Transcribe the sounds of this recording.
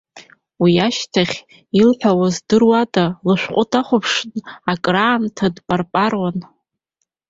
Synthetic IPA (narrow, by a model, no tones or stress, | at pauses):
wiaʃtʰaχʲ | ilħʷᶣawazdɨrwadalɨʃʷᶣqʷʼʊtʼʰaχʷʊpʰʂnakʼraːntʰadpʼarpʼarwan